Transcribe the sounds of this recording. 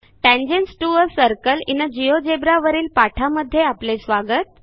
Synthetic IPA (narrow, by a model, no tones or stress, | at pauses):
ʈɛ̃ɲd͡ʑensʈuəɾsəɾkəlḭnːəd͡ʑijod͡ʑebɾaʋəɾiːlpaʈʰaməd̪ʱːjeaplesʋaɡət̪̚